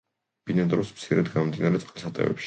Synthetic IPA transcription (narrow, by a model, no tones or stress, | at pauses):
b̥inɛd̪ɾɔsmt̪sʰiɾɛd̪ɡamɔmd̪inaɾɛt̪sʼqʼisat̪ʼɛ̰vɛ̰pʃi̥